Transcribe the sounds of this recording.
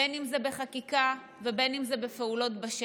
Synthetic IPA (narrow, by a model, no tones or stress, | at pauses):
enimzebe̞χakika | vebe̞nimzebefeulo̞tbaʃ